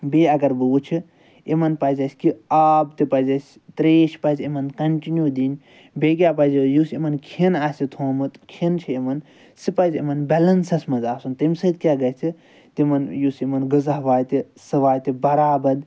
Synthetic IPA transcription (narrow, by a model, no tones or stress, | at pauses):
beɐɡɐɾbɨt͡ʃʰi | emɐnpɐzɐsʲkiaːbt̪ipɐzʲɐsʲ | t̪ɾeːʃpɐzʲemɐnkɐɳʈinjud̪inʲ | beɡʲjaːpɐzʲijusemɐnkʰinaːsʲit̪ʰoːmɨt̪kʰint͡ʃʰiemɐn | sipɐzʲemɐnbʲɛlɐnsɐsmɐzaːsunt̪imʲsɐd̪kʲaɡɐt͡sʰi | t̪imɐnjusemɐnɡɨzɐɦʋaːjt̪i | sɨʋaːjt̪ibɐɾaːbɐd̪